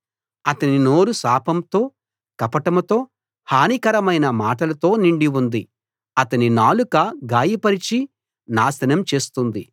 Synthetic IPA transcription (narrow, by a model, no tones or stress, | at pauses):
ɐt̪ɐnino̞ːɾusaːpɐmt̪o̞ː | kɐpɐʈɐmt̪o̞ː | haːnikɐɾɐmɐjnɐmaːʈɐlɐt̪o̞ːniɳɖiwund̪i | ɐt̪ɐninaːlukɐɡaːjipɐɾit͡ʃi | naːsɐnɐmt͡ʃe̞ːst̪und̪ḭ